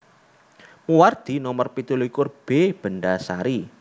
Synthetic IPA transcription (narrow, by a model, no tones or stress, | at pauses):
muward̪̥i̤nɔmərpit̪ulikʊrb̥eb̥ənɖasaɾi